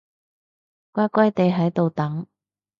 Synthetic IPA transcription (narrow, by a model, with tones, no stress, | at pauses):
kʷaː˥kʷɐ˥jt̪e˨˧jɦɐ˨˥jt̪o˨wt̪ɐ˨˥ŋ